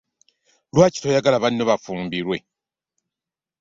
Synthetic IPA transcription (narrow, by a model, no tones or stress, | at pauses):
lwaːci̥tojaɡalaβanːoβafuːmbiɾwe̞